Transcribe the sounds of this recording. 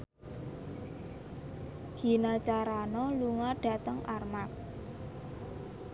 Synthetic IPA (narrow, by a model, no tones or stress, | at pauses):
ɡ̥i̤nat͡ʃaɾanɔluŋaɖ̥a̤t̪əŋʔarmak̚